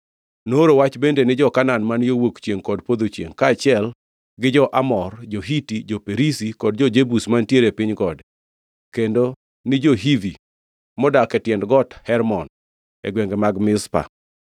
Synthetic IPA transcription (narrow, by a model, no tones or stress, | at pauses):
noɾowat͡ʃbendenɪd͡ʒɔkananmanjowokt͡ʃjeŋkɔdpod̪ot͡ʃjḛŋkaːt͡ʃɪɛl | ɡɪd͡ʒɔʔamɔrd͡ʒoɦitid͡ʒopeɾisikɔd̚d͡ʒɔd͡ʒebusmantjeɾepɪɲɡɔd | kendo | nɪd͡ʒɔɦivi | mɔdakɛtjɛndɡɔthɛɾmɔn | ḛɡweŋɡɛmaɡmɪspa̰